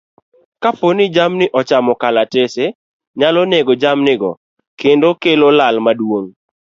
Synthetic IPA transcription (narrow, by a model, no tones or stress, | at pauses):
kaponɪd͡ʒamnɪʔɔt͡ʃamɔkalatese | ɲalɔneɡod͡ʒamnɪɡɔ̰ | kendokelolalmadwoŋ